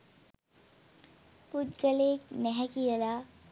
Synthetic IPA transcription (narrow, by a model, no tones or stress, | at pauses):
pud̪ɡəleːknɛɦɛkijəla